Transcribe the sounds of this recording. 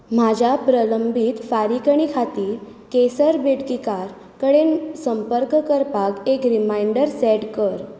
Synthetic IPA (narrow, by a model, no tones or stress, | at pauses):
m̤ad͡ʑapɾələmbʱiːt̪faɾikəɳ̃ikʰat̪iː | kesəɾbeɽkikaɾ | kəɽensəmpəɾkkəɾpakekɾimajɳɖəɾsɛʈkəɾ